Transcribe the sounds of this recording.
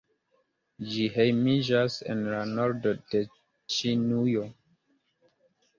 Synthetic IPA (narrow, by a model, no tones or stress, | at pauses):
d͡ʒihejmid͡ʒasḛnlanoɾdode | t͡ʃinujo